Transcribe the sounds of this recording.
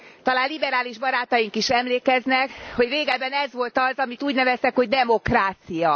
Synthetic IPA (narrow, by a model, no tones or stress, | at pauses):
t̪ɒlaːnlibɛɾaːliʒbɒɾaːt̪ɒjiŋkiʃɛmleːkɛznɛkho̞ɟreːɡɛbɛnɛzʋo̞lt̪ɒzɒmit̪uːɟnɛvɛst̪ɛkho̞ɟd̪ɛmo̞kraːt̪sijɒ